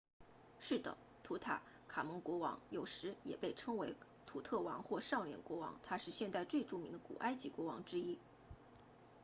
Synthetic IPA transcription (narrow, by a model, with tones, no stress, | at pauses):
ʂɻ̩˥˩d̪ə̰˩ | t̪ʰu˧˥t̪ʰa̰˨˩˦ | kʰa˨˩mə˧˥ŋkwɔ˧˥wɑ̰˧˥ŋjo˨˩ʊʂɻ̩˧˥jɛ̰˨˩pe˥˩ɪʈ͡ʂʰɤ˥ŋwe˧˥ɪ | t̪ʰu˨˩t̪ʰɤ˥˩wɑ˧˥ŋxwɔ˥˧ʂɑ˥˩ʊljɛ̰˨˩nkwɔ˧˥wɑ̰˧˥ŋt̪ʰa˥ʂɻ̩˥˧ɕjɛ˥˧nt̪a˥˧ɪt͡swe˥˧ʈ͡ʂu˥˩mi˧˥ŋd̪ə˧kṵ˨˩ʔa˥ɪt͡ɕi˧˥kwɔ˧˥wɑ̰˧˥ŋʈ͡ʂɻ̩˥i˥